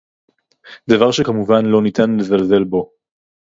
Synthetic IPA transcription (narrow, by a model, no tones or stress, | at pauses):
d̪avaʁʃekamuvanlo̞nit̪ʰanle̞zalze̞lbo̞